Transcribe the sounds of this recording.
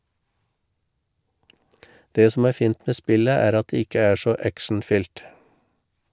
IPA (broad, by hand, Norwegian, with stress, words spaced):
ˈdeː ˈsɔm ˈæːɾ ˈfiːnt ˈmeː ˈspɪlə ˈæːɾ ˈɑt ˈdeː ˈɪkə ˈæː ˈʃɔ ˈækʃɳ̩ˌfʏlt